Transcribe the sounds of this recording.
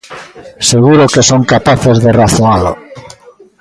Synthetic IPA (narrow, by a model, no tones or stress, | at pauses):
seɣuɾokesoŋkapaθezðeraθoalo̰